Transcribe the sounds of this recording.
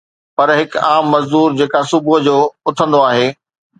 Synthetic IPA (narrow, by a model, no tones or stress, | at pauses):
pɐɾɦɪkaːmːɐzd̪uːɾd͡ʑeːkasʊbʊɦd͡ʑoːʊt̪ʰə̃nd̪oaːɦeː